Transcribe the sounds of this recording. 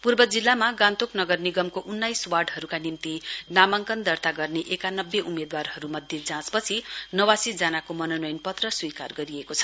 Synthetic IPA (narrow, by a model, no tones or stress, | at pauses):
purbʌd͡zilːamaɡãnt̪oknʌɡʌrniɡʌmkoʔunːajswarɖɦʌɾukanimt̪inamʌŋkʌnd̪ʌrt̪aɡʌrneʔekanʌbːeʔumed̪warɦʌɾumʌd̪ʱjed͡zãspʌt͡sʰinʌwasid͡zanakomʌnonʌjnpʌt̪rʌswika̰rɡʌɾiekot͡sʰʌ̥